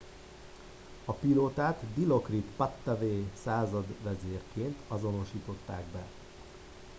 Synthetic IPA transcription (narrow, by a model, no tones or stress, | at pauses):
ɒpiloːt̪aːt̪d̪ilo̞krit̪pɒt̪ːɛveːsaːzɒd̪ʋɛzeːrkeːnt̪ʰɒzo̞no̞ʃiːt̪o̞t̪ːaːɡbɛ